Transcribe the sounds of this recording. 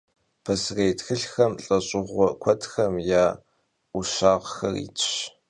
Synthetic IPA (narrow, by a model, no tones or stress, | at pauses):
pʰɐsreːjtxɨɬxɐmɬʼɐɕʼɪʁʷɔkʷʰɔtxɐmjaː | ʊʃaːʁxɐ̰rḭːtʰɕ